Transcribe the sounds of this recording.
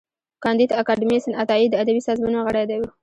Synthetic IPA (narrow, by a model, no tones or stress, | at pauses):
kɑnd̪id̪akɑɖɪmiesɪnat̪ɑid̪ːəad̪abisɑzmɑnoɣəɽajd̪awu